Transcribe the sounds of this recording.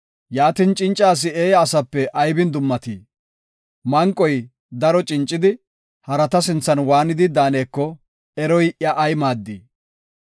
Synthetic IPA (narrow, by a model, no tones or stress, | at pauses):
jaːt̪ɪnt͡ʃʼɪnt͡ʃʼːaːs̬ɪeːjɐːsɐpːɛʔɐjbɪnd̪ʊmːɐt̪iː | mɐŋkʼɔj | d̪ɐɾɔt͡ʃʼɪnt͡ʃʼːɪd̪ɪ | hɐɾɐt̪ɐsɪnt͡sːɐnwaːnɪd̪ɪd̪aːneːkːɔ | ɛɾɔjʔjɐʔːjmaːd̪ːiː